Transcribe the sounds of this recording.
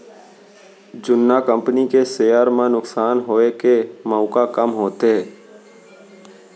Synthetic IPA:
d͡ʒʊnːaːkə̃mpnikeseːjaːɾmãːnʊksaːnɦoːeːkeːmaːkakəmɦoːt̪eɛː

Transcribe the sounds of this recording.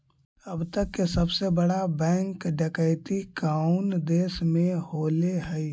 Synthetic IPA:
əbt̪əkːesəbsebəɽabɛ̃ːŋkɖəkəɪt̪ikaʊnd̪eːsmẽholeɦəi

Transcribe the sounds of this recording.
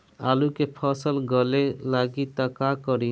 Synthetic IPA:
alukepʰəsəlɡəlelaɡit̪əkakəɾi

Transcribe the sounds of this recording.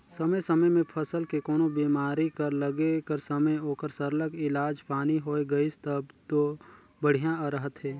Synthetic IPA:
səməjsəməjmẽpʰəsəlkekɔːnobiːmaːɾikəɾləɡekəɾsəməjoːkəɾsəɾləkɪlaːd͡ʒpaːniɦoːeɡɐist̪əbt̪o | bəɽ̤ijãɾəɦət̪ɦɛː

